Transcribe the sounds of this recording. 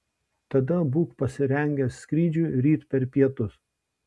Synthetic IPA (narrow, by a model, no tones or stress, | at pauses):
t̪ɐd̪ɐbuːkpɐsʲɪɾʲɛŋʲɡʲɛsːʲkɾʲiːd͡ʒʲuɾʲiːt̪pʲɛɾpʲiɛt̪ʊs